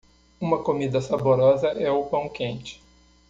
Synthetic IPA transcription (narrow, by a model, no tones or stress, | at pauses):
ũmɐkomid̪ɐsaboɾɔzɐʔɛʊpɐ̃w̃kẽnt͡ʃɪ̥